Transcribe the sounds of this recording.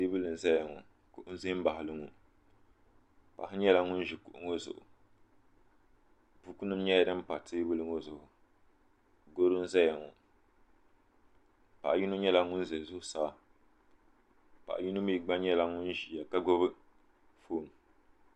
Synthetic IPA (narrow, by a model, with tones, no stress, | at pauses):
teː˦bɨ˦lɨ˨n̩˨zɛ˦ja˨ŋɔ˨ | kʊ˨ʔʊ˦n̩˦ze˦m̩˦ba˨ɦɪ˨lɨ˦ŋo˨ | pa̰˨hɪ˦ɲɛ˦la˦ŋʊ˦n˦ʒi˨kʊ˨ʔʊ˦ŋo˦zʊ̰˨ʔʊ̰˨ | bu˦ku˦nɨ˦m˦ɲɛ˦ja˨dɨ˦m̩˦pa˨teː˦bɨ˦lɨ˦ŋo˦zʊ˨ʔʊ˨ | ɡo˦ɾɨ˦n̩˦zɛ˦ja˨ŋɔ˨ | pa̰˨ʔji˦no˦ɲɛ˦la˦ŋʊ˦n̩˦zɛ˨lzʊ˦hʊ˦saː˨˦˨ | pa̰˨ʔji˦nʊ˦mi˦ɡ͡ba˦ɲɛ˦la˦ŋʊ˦n˦ʒi˨ja˨ka˦ɡo˦bɨ˦ | foː˦˨n˨